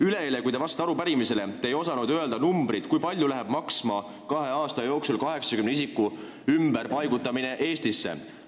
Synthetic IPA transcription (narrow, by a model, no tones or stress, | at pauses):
yle̞elekujd̪evɑst̪ɑɑɾupæɾimise̞le̞t̪ejo̞sɑnud̪̥øeld̪ɑnumbɾid̪̥kujpɑlʲjulæɦeb̥mɑksmɑ | kɑɦe̞ɑːst̪ɑjo̞ːksulkɑɦe̞ksɑkymneisikːˑu | ymbeɾpɑjɡut̪ːˑɑmine̞ʔe̞ːst̪isːḛ